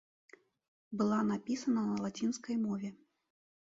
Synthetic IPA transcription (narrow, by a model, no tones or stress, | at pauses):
bɨlˠanapʲisɐnɐnɐlˠat͡sʲinskɐjmɔvʲɛ